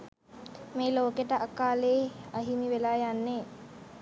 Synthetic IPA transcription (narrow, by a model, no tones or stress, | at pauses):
meːloːkeʈəʔakaːleːaɦimiʋelaːjanːeː